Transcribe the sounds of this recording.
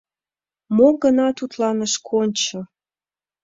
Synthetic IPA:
moɡənɑt̪ut̪lɑnəʃkʰonʲt͡ɕɤ̆ə

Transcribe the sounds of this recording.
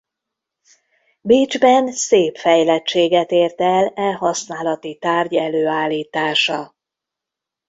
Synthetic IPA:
biːd͡ʒbɛnseːpfɛjlɛt͡ʃːeːɡɛt̪eːrt̪ɛlɛɦɒsnaːlɒt̪it̪aːrɟɛløːaːlːiːt̪aːʃɒ

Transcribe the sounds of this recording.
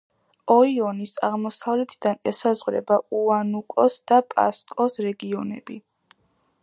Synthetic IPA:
ɔiɔnisa̰ʁmɔsavlɛt̪ʰid̪anɛsazʁɾɛ̰bauanukʼɔsd̪̥apʼa̰skʼɔsɾɛɡiɔnɛ̰bi

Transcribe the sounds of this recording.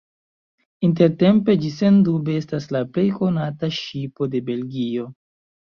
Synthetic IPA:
int̬e̞ɾte̞mpe̞d͡ʒise̞ndubeestaslaple̞jko̞nataʃipo̞de̞be̞lɡio̞

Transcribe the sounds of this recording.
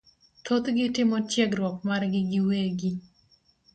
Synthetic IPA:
tʰot̪ɡɪtɪmɔt͡ʃjɛɡɾwɔk̚marɡɪɡɪweɡi

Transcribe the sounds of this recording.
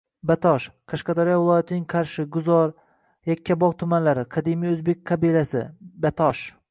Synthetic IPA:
bat̪ʰɒʃqʰɑʃqɑd̪aɾijɒvɪlˠɒjat̪ʰɪnɪŋqʰɑɾʃɪɡʊzɒɾ | jakʲʰːabɒʁt̪ʰʊmanlaɾɪqʰɑd̪imijɵzbek̚ʲqʰɑbilasɪ̰bat̪ʰɒʃ

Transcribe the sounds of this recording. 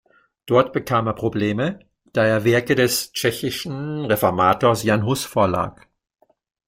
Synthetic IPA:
d̥ɔɐtb̥əkʰaːmeːɐpʁ̥obleːmə | d̥aːeːɐvɛɐkədɛst͡ʃɛçɪʃn̩ʁefɔɐmaːtoːɐsjanɦʊsfoːɐla̰ːk

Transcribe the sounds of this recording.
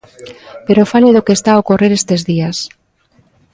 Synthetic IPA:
peɾofaleðokest̪aːokoreɾest̪ezðias

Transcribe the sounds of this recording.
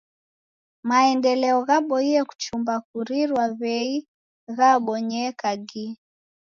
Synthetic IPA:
maɛndɛlɛɔɣaɓɔiɛku̥t͡ʃumbak̚uɾiɾwaβɛi | ɣaɓɔɲɛkaɡi

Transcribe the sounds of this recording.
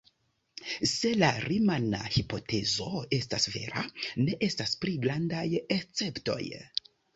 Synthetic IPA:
se̞laɾimana̰hipo̞tʰe̞zo̞e̞stasve̞̰ɾa̰ne̞ʔe̞staspɾiɡɾandajet͡se̞pto̞̰j

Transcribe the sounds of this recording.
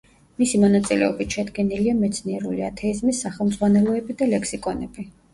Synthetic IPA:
misimɔnat̪sʼilɛ̰ɔbit̪ʃɛd̪ɡɛniliamɛt̪sʰniɛɾuliat̪ʰɛizmisːaχɛlˠmd̪zʁwanɛlˠɔɛbid̪alɛkʰsikʼɔnɛb̥i

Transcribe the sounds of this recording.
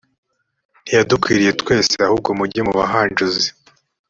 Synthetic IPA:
n̥ijadukwiːɾije̞twe̞ːseahub̚ɡomuɟemuβaɦand͡ʒuzi

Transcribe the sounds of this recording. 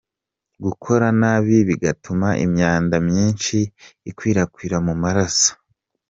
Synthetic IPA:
ɡukʰo̞ɾanaːβiβiɡatumaʔḭmɲaːndamɲiːnʃiːkwiːɾakwiːɾamumaɾasḁ

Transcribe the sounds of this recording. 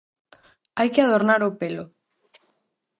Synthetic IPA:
ajkeað̞oɾnaɾopelo

